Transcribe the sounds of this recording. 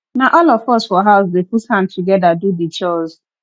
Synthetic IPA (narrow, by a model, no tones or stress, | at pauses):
naʔɔlɔfɔsfɔɦaʊsdeputhãm̩tʰuɡɛdadudit͡ʃɔz